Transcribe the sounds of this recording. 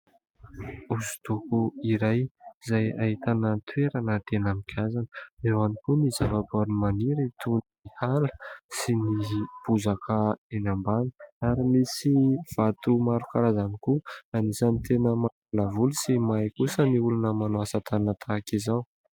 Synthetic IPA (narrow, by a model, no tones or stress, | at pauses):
uzu̥t̪ukuiɾajizaja̰ɦit̪anət̪ʰweɾanət̪enamikʲʰazanəewanikunizavaboɾimaniɾəit̪ʰun | ihalə̥sinib̥uzakʰəenambanəaɾimisiv̥at̪umaɾukaɾazanikuanisanit̪enəma | ulavulusimajkusəniulunəmanuasat̪ʰanət̪ʰakizaw